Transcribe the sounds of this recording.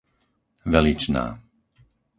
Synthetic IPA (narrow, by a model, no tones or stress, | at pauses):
ʋɛlit͡ʃna̰ː